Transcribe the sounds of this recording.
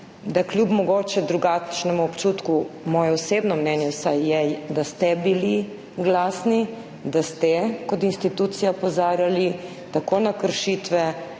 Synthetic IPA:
d̪aklʲjubmɔɡoːt͡ʃɛd̪ɾuɡat͡ʃnɛmuɔpt͡ʃut̪kumɔːjɛɔsebnɔmnɛnjɛwsajːɛd̪ast̪ɛbili | ɡlaːsni | d̪ast̪ɛkɔt̪inst̪it̪ut̪sijapozaːɾjali | t̪akoːnakəɾʃit̪ʋɛ

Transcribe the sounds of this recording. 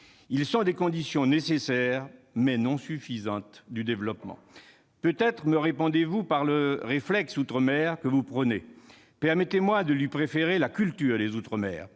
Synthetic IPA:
ilsɔ̃d̪ekɔ̃d̪isjɔ̃nesesɛʁmɛnɔ̃syfizɑ̃t̪d̪yd̪evlɔpmɑ̰̃ | pøt̪ɛt̪χməʁepɔ̃d̪evupaʁləʁeflɛksut̪χəmɛːʁkəvupχəne | pɛʁmɛt̪emwad̪əlɥipχefeʁelakʲylt̪yːʁd̪ezut̪χəmɛ̰ːʁ

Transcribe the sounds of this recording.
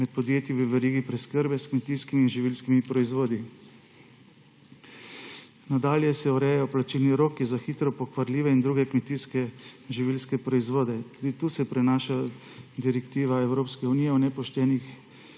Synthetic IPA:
mɛt̪̚pɔd̪jeːt̪jiʋəʋɛɾiːɡipɾɛskəɾbɛskmɛt̪iːskimiːnʒiʋilskimipɾɔizʋoːd̪i | nad̪aːljɛsɛuɾɛjajɔplat͡ʃilniɾoːkːizaxiːt̪ɾɔpɔkʋaɾlʲiːʋɛind̪ɾuːɡɛkmɛt̪iːskɛʒiʋilskɛpɾɔizʋoːd̪ɛt̪uːd̪it̪uːsɛpɾɛnaʃa | d̪iɾɛkt̪iːʋaɛwɾoːpskɛuniːjɛunɛpɔʃt̪ɛːnix

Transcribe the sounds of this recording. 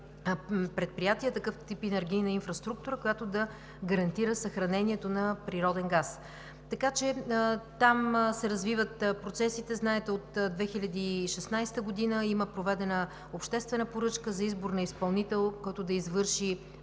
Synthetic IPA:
pɾɛt̪̚pɾijat̪iət̪ɐkɤft̪ipɛnɛɾɡ̟ʲijnɐinfɾɐst̪ɾuk̚t̪uɾəkojat̪od̪ɐ | ɡəɾɐnt̪iɾəsəxɾɐnɛnʲiɛt̪onɐpɾiɾɔd̪ɛnɡas | t̪ɐkat͡ʃɛt̪amsɛɾɐzvivət̪pɾot̪sɛsit̪ɛznaɛt̪ɛot̪d̪vɛxilʲɐd̪iːʃɛsnajst̪əɡod̪inəiməpɾovɛd̪ɛnə | opʃt̪ɛst̪vɛnəpoɾɤt͡ʃkəzɐizboɾnɐispɐlˠnit̪ɛlˠkɔjt̪od̪ɐizvɤɾʃi

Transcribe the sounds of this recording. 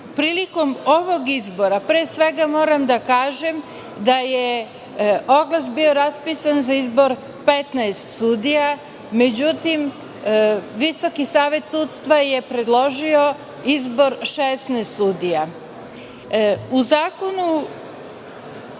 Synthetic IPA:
pɾiːliko̞mo̞ʋo̞ɡizbo̞ɾapɾeːsʋe̞ɡamo̞ːɾamd̪akaːʒe̞m | d̪aje | o̞ɡlˠasbio̞ɾaspisanzaizbo̞ɾ | pe̞t̪naest̪sud̪ija | me̞d͡ʑut̪im | ʋiso̞kisaːʋe̞t̪sut̪st̪ʋaje̞pɾe̞d̪lˠo̞ʒio̞ | izbo̞ɾʃesnɛst̪sud̪ija | uzaːko̞nu

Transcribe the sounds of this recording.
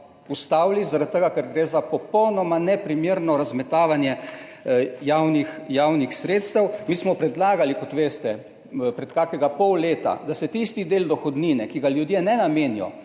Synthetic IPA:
ust̪awlizaɾat̪̚t̪ːəɡakɛɾɡɾeːzapɔpɔwnɔmanɛpɾimjeɾnɔɾazmɛt̪aːʋanjɛ | jaːwnixjawnixsɾeːt̪st̪əwmiːsmɔpɾɛd̪laːɡalikɔt̪ʋeːst̪ɛ | pɾɛt̪kaːkɛɡapɔwleːt̪a̰d̪asɛt̪ist̪id̪eːld̪ɔxɔd̪niːnɛkiɡaljud̪jɛnɛnameːnijɔ̰

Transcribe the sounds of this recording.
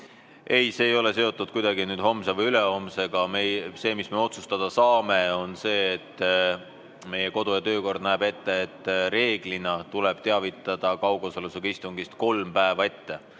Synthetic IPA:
ʔe̞jse̞ːjo̞le̞se̞o̞t̪ːˑud̪̥kujd̪̥ɑɡinyːd̪ho̞msevɤjyle̞o̞mse̞ɡ̥ɑmese̞ːmisme̞o̞t̪sust̪ɑd̪̥ɑsɑːme̞o̞nse̞ːt̪ː | me̞je̞ko̞d̪̥ojɑt̪ø̞ːko̞rd̪̥̚næeb̥e̞t̪ːe̞ːt̪ˑːre̞ːɡ̥linɑt̪uleb̥̚t̪e̞ɑvit̪ːˑɑd̪̥ɑkɑwɡ̥osoluseɡ̥ɑist̪uŋɡist̪ko̞lmpæevɑe̞t̪ːe̞

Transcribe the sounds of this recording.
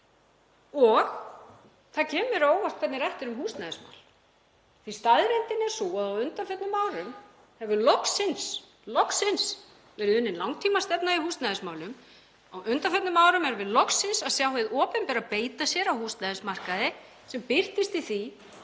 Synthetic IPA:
ɔx | θacʰɛːmɪɾoːwvast̪kʰvɛt̪nɪɾɛht̪ɪɾʏmhuːst̪naðɪsma̰wl | θist̪aðɾejnt̪ɪnːɛsuaðawʏnt̪anfœt̪nʏmːaːwɾʏm | hɛvʏlɔksɪns | lɔksɪns | vɛːɾʏðʏnːɪnlawŋt̪ʰiːmast̪ɛpnaiɦuːst̪naðɪsmaːwlʏm | awʔʏnt̪afœt̪nʏmaːwɾʏmɛɾvɪðlɔksɪnsaðsjawɦeðɔːpɛnpɛːɾapeːjt̪asjɛɾawhuːst̪naðɪsmar̥kaðɪ | sɛmpɪr̥t̪ɪst̪iθi

